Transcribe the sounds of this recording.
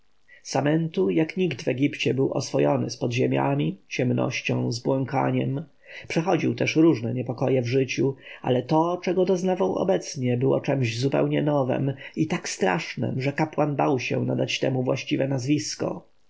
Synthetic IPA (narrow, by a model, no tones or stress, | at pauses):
samɛnt̪ujakɲiɡt̪vɛɡʲipt͡ɕɛbɘwʔɔsfɔjɔnɘ̰spɔd̪ʑemʲja̰mʲit͡ɕɛmnɔ̰ɕt͡ɕɔ̰̃w̃zbwɔŋka̰ɲɛm | pʂɛxɔd͡ʑiwt̪ɛʂɾuʐnɛɲɛpɔkɔjɛvʐɘt͡ɕua̰lɛt̪ɔt͡ʂɛɡɔd̪ɔznavawɔ̰bɛt̪sɲɛbɘwɔ̰t͡ʂɛmʑzupɛ̰wɲɛnɔvɛ̰mit̪akst̪ɾa̰ʂnɛ̰mʐɛkapwanbawɕɛ̰nad̪at͡ɕt̪ɛmuvwaɕt͡ɕivɛnazvʲiskɔ̰